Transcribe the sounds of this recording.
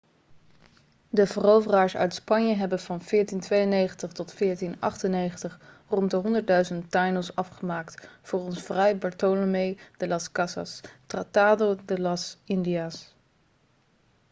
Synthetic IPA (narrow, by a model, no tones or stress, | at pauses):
dəvərowvəraːɹsœ̰ɥtspɑnjəɦɛbənvɑnv̥ɪːɹtintʋejənejχəntəχtɔtfɪːɹtinɑ̰χtənejχəntəχ | rɔntdəɦɔndəɹt̚dœɥzəntːajnəlˠsɑfχəmaːktfʊːrɔnsfrɛjbɑɹtolomejd̥əlɑskɑsɑ̰strataːdodəlɑsɪndiaːs